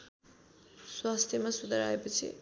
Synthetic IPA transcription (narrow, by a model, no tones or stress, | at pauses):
swast̪ʰjemasud̪ʱaɾaepʌt͡sʰḭ